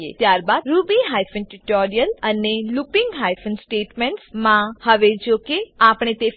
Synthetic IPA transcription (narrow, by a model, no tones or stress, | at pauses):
ḛt̪jaɾbad̪̚ɾubiɦajfənʈiʈɔɾijələnelupɪ̃ŋɡɦajfənsʈeʈmɛɳʈsmãhəʋed͡ʒokeapɽ̃et̪e